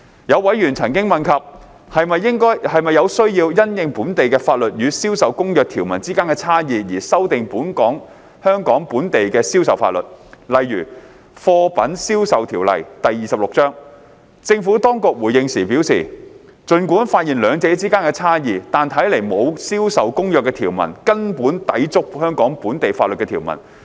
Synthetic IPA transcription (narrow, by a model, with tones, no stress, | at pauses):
jɐ˨˧wwɐ˨˥jɥyː˨˩nt͡sʰɐ˨˩nkɪ˥ŋmɐ˨nkʰɐ˨p̚ | hɐ˨jmɐ˨jːɪ˥ŋkɔː˥jhɐ˨jmɐ˨jːɐ˨˧wsɵ˥ɥjiː˧wjɐ˥njɪ˨ŋpuː˨˥nt̪e˨jkɛː˧faː˧t̚lɵ˨t̚jyː˨˧siː˥wsɐ˨wkʊ˥ŋjœː˨k̚t̪ʰiː˨˩wmɐ˨˩nt͡siː˥kaː˥nkɛ˧t͡sʰaː˥jiː˨jiː˨˩sɐ˥wt̪ɪ˨ŋpuː˨˥nkɔː˨˥ŋ | hœː˥ŋkɔː˨˥ŋpuː˨˥nt̪e˨jkɛː˧si˥wsɐ˨˩wfa̰ː˧t̚lɵ̰˨t̚lɐ˨jːyː˨˩ | fɔː˧pɐ̰˨˥nsiː˥wsɐ˨wt̪ʰiː˨˩wlɐ̰˨˩jt̪ɐ˨jːiː˨sɐ˨p̚lʊ˨k̚t͡sœː˥ŋ | t͡sɪ˧ŋfuː˨˥t̪ɔː˥ŋkʊ˨˧k̚wuː˨˩jɪ˧ŋsiː˨˩piː˨˥wsḭː˨˩ | t͡sɵ˨˧nkuː˨˥nfaː˧t̚jiː˨nlœː˨˧ŋt͡se˨˥t͡siː˥kaː˥nkɛ˧t͡sʰaː˥jiː˨˧t̪aː˨nt̪ʰɐ˨˥jle˨˩jmo˨˧wsiː˥wsɐ˨wkʊ˥ŋjœː˨kːɛ˧t̪ʰiː˨˩wmɐ̰˨˩nkɐ˥npuː˨˥nt̪ɐ˨˥jt͡sʊ˥k̚hœː˥ŋkɔː˨˥ŋpuː˨˥nt̪e˨jfaː˧lɵ˨kɛː˧i˨˩wmɐ̰˨˩n